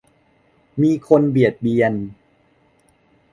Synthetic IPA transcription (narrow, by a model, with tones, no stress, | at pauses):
miː˧kʰo˧nbi˨˩ət̪̚bi˧ən